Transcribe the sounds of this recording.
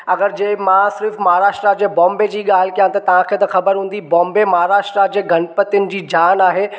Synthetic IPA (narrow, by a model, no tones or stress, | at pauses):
ɐɡəɾd͡ʑeːmãsɪɾfmɐɦaɾaːʃʈɾad͡ʑeːbɔ̃ːmbed͡ʑiːɠaːl̤ɪkijãt̪ɐt̪ɐʋ̤ãkʰeːt̪ɐxɐbəɾɦũːn̆d̪ibɔ̃ːmbemɐɦaɾaːʃʈɾad͡ʑeːɡʱɐnpət̪jʊnɪ̆d͡ʑiːd͡ʑaːnaːɦeː